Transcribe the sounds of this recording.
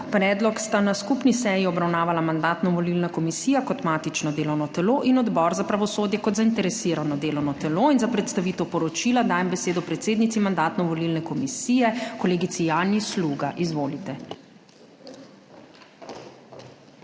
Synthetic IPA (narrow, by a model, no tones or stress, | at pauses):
pɾɛːd̪lɔkst̪anaskupnisɛːjiɔbɾawnaːʋalamand̪aːt̪nɔʋɔlilnakɔmisiːjakɔt̪maːt̪it͡ʃnɔd̪eːlɔwnɔt̪ɛloʔinɔd̪bɔɾzapɾaʋɔsoːd̪jɛkɔt̪zaint̪ɛɾɛsiɾanɔd̪eːlɔwnɔt̪ɛloinzapɾɛt̪st̪aʋiːt̪ɛwpɔɾɔt͡ʃilad̪aːjɛmbɛseːd̪ɔpɾɛt̪seːd̪nit̪simand̪aːt̪nɔʋɔlilnɛkɔmisiːjɛkɔleːɡit̪sijanisluɡaʔizʋoːlit̪ɛ